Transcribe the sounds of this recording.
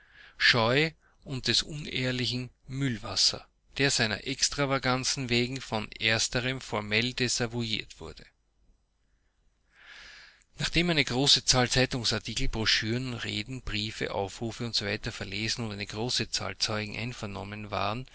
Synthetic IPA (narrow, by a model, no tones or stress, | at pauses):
ʃɔʏ | ʊnt̚d̥ɛsʔʊneːɐlɪçn̩mʏlva̰sɐ̰ | d̥eːɐz̥æɪnɐ̰ʔɛkstʁ̥avaɡant͡sn̩veːɡŋ̩fɔnʔeːɐstəʁəmfɔɐmɛldezavuiːɐtv̥ʊɐdə | naχd̥eːmæɪnəɡ̥ʁoːsət͡saːlt͡sæɪtʊŋsaɐtʰiːkl̩bʁɔʃyːʁənʁḛːdn̩b̥ʁiːfə̰ʔa̰ʊfʁuːfəʊntz̥ovæɪtɐfɛɐleːzn̩ʊntæɪnəɡ̥ʁoːsət͡sa̰ːlt͡sɔʏɡŋ̩ʔæ̰ɪnfɛɐnɔ̰mənva̰ːʁən